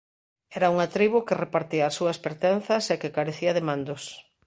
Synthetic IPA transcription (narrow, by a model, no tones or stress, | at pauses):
ɛɾauŋat̪ɾiβukɪrepaɾt̪iaːsuɐspeɾt̪ɛnθɐsekekaɾeθiɐðemãnd̪os